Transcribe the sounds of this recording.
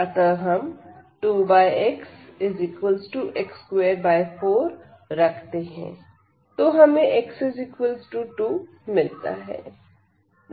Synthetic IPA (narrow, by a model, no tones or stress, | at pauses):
ɐt̪əɾɦɐmʈuːbaːjeksɪzɪkwəlzʈuːʔekskweːɾbaːɪfʰoːɾ | ɾɐkʰt̪eɦɛ̰̃ː | t̪oɦɐmẽʔeksɪzɪkwəlzʈuːʈuː | mɪlt̪a̰ɦɛ̰ː